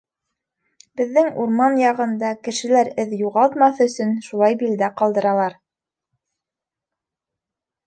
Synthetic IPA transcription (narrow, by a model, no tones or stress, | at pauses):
b̥ɘ̆ðːɘŋuɾmɑnjɑʁɤ̆nd̪ɑkɘ̆ʃɘ̆læɾɘðjuʁɑlˠt̪mɑθɵ̆sɵnʃulˠɑjbild̪æqɑlˠd̪ɤ̆ɾɑlˠɑɾ